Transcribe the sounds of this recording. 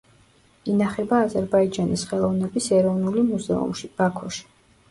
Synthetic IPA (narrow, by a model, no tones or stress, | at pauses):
inaχɛbaːzɛɾbaid͡ʒanisχɛlˠɔvnɛbisɛɾɔvnulimuzɛ̰ṵmʃib̥akʰɔʃi̥